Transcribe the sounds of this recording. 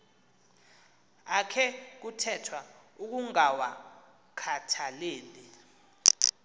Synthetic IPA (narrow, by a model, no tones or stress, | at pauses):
akʰɛk̬utʰɛtʰwauk̬uŋawa | kʰatʰaleːli